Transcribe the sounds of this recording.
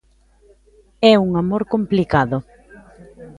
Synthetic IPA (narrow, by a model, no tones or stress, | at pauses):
ɛuŋamoɾkomplikaðʊ